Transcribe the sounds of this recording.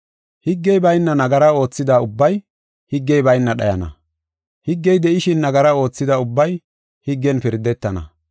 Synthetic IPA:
hɪɡːɛjbɐjnːɐnɐɡɐɾɐo̞ːt͡sːɪd̪aːʊbːɐj | hɪɡːɛjbɐjnːɐɗɐ̰jɐ̰nɐ̰ | hɪɡːɛjd̪ɛʔɪʃɪnːɐɡɐɾɐo̞ːt͡sːɪd̪aʊbːɐj | hɪɡːɛnpɪɾd̪ɛt̪ːɐnɐ̰

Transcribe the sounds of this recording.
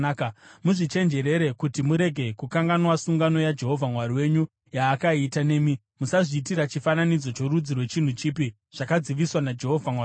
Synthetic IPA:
kamuʐit͡ʃe̞nd͡ʒe̞ɾe̞ɾe̞kutimuɾe̞ɡʱe̞kukaŋɡanwasuŋɡano̞jad͡ʒe̞ɦo̞vʱamwariwe̞ɲu | jaːkaitane̞mi | musaʐiːt̬iɾat͡ʃifananid͡zo̞t͡ʃo̞ɾud͡zirwe̞t͡ʃin̤ut͡ʃipi | ʐ̥akad͡ziʋiswanad͡ʒe̞ɦo̞vʱamwa

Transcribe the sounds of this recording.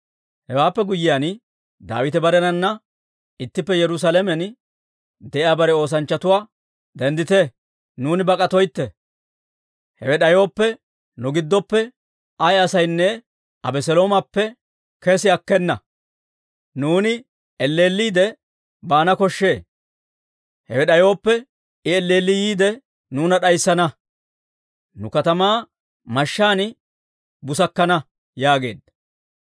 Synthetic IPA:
hɛwaːpːɛɡʊjːɪjan | d̪a̰ːwɪt̪ɛbɐɾɛnɐnːɐ | ɪt̪ːɪpːɛjɛɾʊs̬alɛmɛn | d̪ɛʔɪaːbɐɾɛo̞ːs̬ɐnt͡ʃːɐt̪ʊwaː | d̪ɛnd̪ɪt̪ɛ | nuːnɪbɐkʼɐt̪ɔjt̪ːɛ | hɛwɛɗɐjoːpːɛ | nʊɡɪd̪ːɔpːɛ | ɐjɐsɐjnːɛ | ʔɐbɛsɛlo̞ːmɐpːɛ | kɛsɪɐkːɛnːɐ | nuːnɪ | ɛlːe̞ːlːiːd̪ɛ | baːnɐkɔʃːe̞ː | hɛ̰wɛɗɐjo̞ːpːɛ | ɪɛlːeːlːɪjiːd̪ɛ | nuːnɐɗɐjsːɐnɐ | nʊkɐt̪ɐmaː | mɐʃːaːnɪ | bʊsɐkːɐnɐ | jaːɡe̞̰ːd̪ɐ

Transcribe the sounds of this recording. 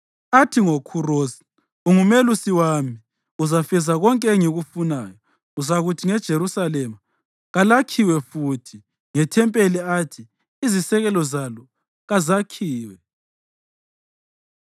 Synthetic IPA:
atʰiŋokʰurozi̥ | uŋumelusiwami | uzafɛzaɣɔŋkʼɛŋiɣufunajɔ | uzaɣutʰiŋɛd̥ʒ̥ʱeɾusalɛma | ɣalakʰiwɛfutʰi | ŋɛtʰɛmpʼeliatʰi | izisɛɣɛlɔzalɔ | ɣazakʰiːwɛ

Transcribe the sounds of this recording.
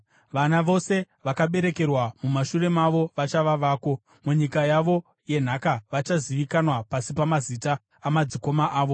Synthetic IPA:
ʋanaʋo̞se̞ | ʋakaɓe̞ɾe̞ke̞rwamumaʃure̞maʋo̞ʋat͡ʃaʋaʋaːko̞ | muɲikajaʋo̞ | je̞n̤akaʋat͡ʃaziʋikanwapasipamazitaː | mad͡ziko̞maʔaːʋo̞

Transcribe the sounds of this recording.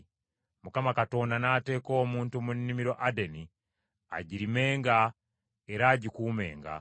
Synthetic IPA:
mukamakato̞ndanaːte̞ːko̞ːmuːntumunːimiɾo̞ʔadeni | a̰ɟiɾime̞ːŋɡa | eɾaːɟikuːme̞̰ːŋɡa̰

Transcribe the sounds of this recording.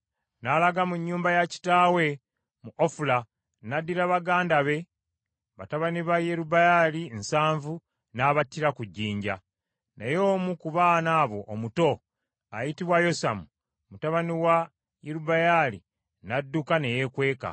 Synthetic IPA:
nalaɡamuɲːuːmbajaci̥taːwe̞ | muʔofula | nadːiɾaβaɡaːndaβe̞ | βataβaniβajeɾubajalinsaːɱvu | naβatːiɾakuɟːiːɲɟa | nejo̞ːmukuβaːnaːβo̞ʔːmuto̞ | a̰jitiβwajo̞sa̰mu | mutaβaniwa | jeɾubajalḭ | nadːukane̞jekwe̞ːka̰

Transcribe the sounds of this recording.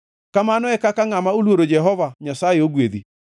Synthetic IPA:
kamanɔɛkakaŋamaolwoɾod͡ʒɛɦɔvaɲasaeoɣweði

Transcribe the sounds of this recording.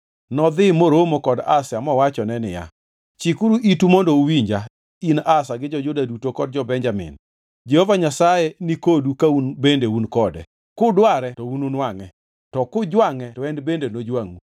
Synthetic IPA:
nɔd̪ɪmoɾomokɔdasɪamɔwat͡ʃɔnɛnɪ̰ja̰ | t͡ʃikuɾuʔitumɔndɔuwiɲd͡ʒa | inasaɡɪd͡ʒɔd͡ʒʊdadutokɔd̚d͡ʒɔbɛɲd͡ʒamɪ̰n | d͡ʒehovaɲasajenikodukaunbendeunkɔdɛ̰ | kʊdwaɾɛtɔununwaŋɛ | tɔkʊd͡ʒwaŋɛtɔɛndbendenod͡ʒwaŋu

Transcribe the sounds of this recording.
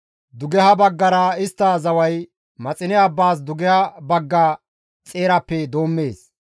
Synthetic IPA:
d̪ʊɡɛɦɐbɐɡːɐɾɐɪst̪ːazɐwɐj | mɐt͡sʼɪnɛɐbːaːs̬d̪ʊɡɛhɐbɐɡːɐ | t͡sʼe̞ːɾɐpːɛd̪o̞ːmːe̞ːs

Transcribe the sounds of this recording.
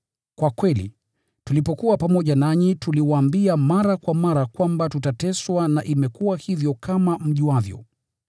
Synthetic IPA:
kwakwɛlḭ | tulipɔkuwapamɔʄanaɲituliwaːmbiamaɾakwamaɾakwambatutatɛswanaʔimɛkuwahivjɔkamam̩ʄuwavjɔ̰

